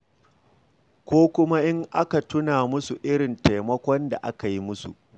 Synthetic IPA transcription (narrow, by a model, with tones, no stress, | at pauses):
kʷoː˦kʷʊ˦ma˦ʔɪ˦ŋʔa˦ka˨tʊ˦naː˨mʊ˦su˨ʔɪ˦ɽɪ˨nta˨jmɐ˦kʷɔ˦nda̰˨ʔa̰˦ka˨ji˦mʊ˦sṵ˨ʔ